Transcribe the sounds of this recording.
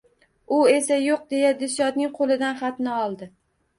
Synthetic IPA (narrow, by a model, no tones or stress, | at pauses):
ʊe̞sajoq̚d̪e̞jad̪ɪsjɒd̪nɪŋqʰolˠɪd̪anχat̪nɪɒlˠd̪ɪ